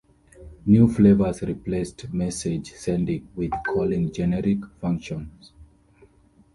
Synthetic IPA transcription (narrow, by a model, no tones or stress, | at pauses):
njuflevəzɹiplestmɛsed͡ʒsɛ̃ndĩŋwið̥kʰɔlĩŋd͡ʒɛnɛɾikfãŋkʃɔ̃ns